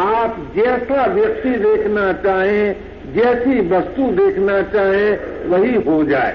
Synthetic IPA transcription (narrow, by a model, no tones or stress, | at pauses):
aːpd͡ʒɛːsaʋjək̚t̪id̪eːkʰnat͡ʃaːɦẽ | d͡ʒɛːsibɐst̪ud̪eːkʰnat͡ʃaːɦẽʋɐɦiɦod͡ʒaːḛ